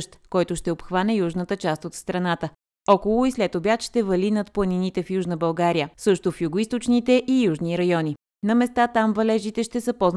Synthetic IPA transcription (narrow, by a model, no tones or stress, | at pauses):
ʃt̪kɔjt̪ʊʃt̪ɛopxvanɛjuʒnət̪ət͡ʃast̪ot̪st̪ɾɐnat̪ə | ɔkolˠʊislɛt̪obʲjat̪ʃt̪ɛvɐlinɐt̪plˠəninit̪ɛfjuʒnəbɐlˠɡaɾijəsɤʃt̪ofjuɡoist̪ot͡ʃnit̪ɛʔijuʒniɾɐjɔnʲi | nɐmɛst̪at̪amvɐlɛʒit̪ɛʃt̪ɛsəpɔzn